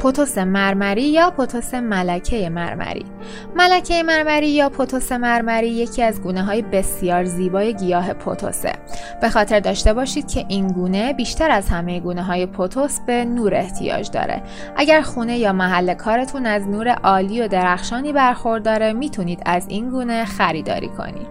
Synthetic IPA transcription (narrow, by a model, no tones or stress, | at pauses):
pʰot̪ʰo̞se̞mæɾmæɾiːjɒːpʰo̞t̪ʰo̞se̞mælæcʰe̞jemæ̰ɾmæ̰ɾḭː | mælæcʰe̞jemæɾmæɾiːjɒːpʰo̞t̪ʰo̞se̞mæɾmæɾiːje̞cʰiːæzɡuːneɦɒːjebe̞sjɒːɾziːbɒːje̞ɟijɒːɦe̞pʰo̰t̪ʰo̞̰sḛb̥e̞xɒːt̪ʰe̞ɾd̪ɒːʃt̪e̞bɒːʃiːd̪̥̚cʰe̞ʔiːnɡuːne̞biːʃt̪ʰæɾæzhæmejeɡuːneɦɒːje̞pʰot̪ʰo̞sb̥e̞nuːɾe̞ht̪ʰijɒ̰ːd͡ʒd̪ɒ̰ːɾḛ | ʔæɟæɾxune̞jɒːmæɦælːe̞kʰɒːɾe̞t̪ʰunæznuːɾe̞̰ʔɒːliːo̞d̪eɾæxʃɒːniːbæɾxo̞ɾd̪ːɒːɾe̞miːt̪ʰuniːd̪æzinɡuːne̞xæɾiːd̪ɒ̰ːɾḭːkʰo̰nḭːd̪̥